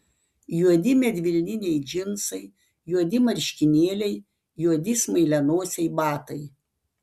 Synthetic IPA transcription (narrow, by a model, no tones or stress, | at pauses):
juɔd̪ʲɪmʲɛd̪ʲʋʲɪlʲnʲɪnʲɛɪd͡ʒʲɪnsɐɪ | juɔd̪ʲɪmɐɾʲʃʲkʲɪnʲeːlʲɛɪ | juɔd̪ʲɪsmɐɪlʲɛnoːsʲɛɪbɑːt̪ɐɪ